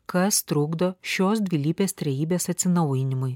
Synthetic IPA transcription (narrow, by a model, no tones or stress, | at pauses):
kɐst̪ɾʊɡd̪oːʃʲoːs̬d̪ʲʋʲilʲiːpʲeːst̪ʲɾʲɛjiːbʲeːsɐt̪ʲsʲɪnɐʊjɪnʲɪmʊɪ